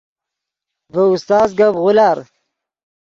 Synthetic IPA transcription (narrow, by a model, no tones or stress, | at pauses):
vəust̪ɑːzɡabʁʊlaɾ